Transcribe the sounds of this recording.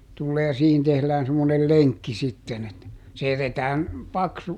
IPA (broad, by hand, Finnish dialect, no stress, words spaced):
tulːeː jɑ siːhin tehlæːn semːonel leŋkːi sitːen et se jætetæːn pɑksu